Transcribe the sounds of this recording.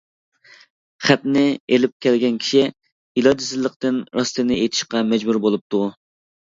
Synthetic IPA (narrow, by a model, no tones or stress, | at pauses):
χæt̪nɪelɪp̚kʲʰɛlɡʲɛnkʲʰi̥ʃi | ilˠɑd̪ɪsɪzlˠːəqt̪ɨnɾɑst̪ɨnɪet̪ʰɪ̥ʃqɑmɛd͡ʒbuɾbolˠup̚t̪ʰu